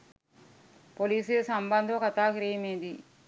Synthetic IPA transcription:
poliːseːsɐmbɐnd̪ʱɐʋɐkɐt̪aːkɾeːjɐmeːnd̪i

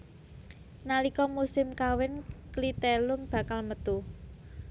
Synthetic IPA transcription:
nalikɔmusɪmkawɪnklit̪ɛlʊmb̥a̤kalmət̪u

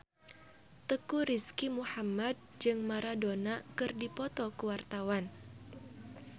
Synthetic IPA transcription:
t̪əkuɾiskimuhamad̚d͡ʒɨŋmaɾadonakɨrdipɔt̪ɔkəwart̪awan

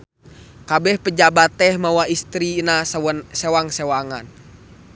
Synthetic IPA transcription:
kabɛhpəd͡ʒabat̪ːɛhmawaist̪ɾinassɛwaŋsɛwaŋan

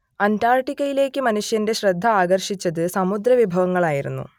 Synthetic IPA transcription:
ɐntaːrʈiɣɐjile̞ːkːɨmɐnuʂjɐnde̞ɕrɐd̪ʱːɐaːɡɐrʂit͡ɕːɐðɨsɐmud̪ɾɐʋibʱɐʋɐŋːɐɭaːjiɾṵnːṵ

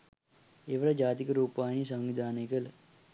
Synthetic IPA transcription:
eʋəɭɐd͡ʒaːt̪ikəɾuːpaːjnisɐŋʋid̪ʱaːnəjkələ

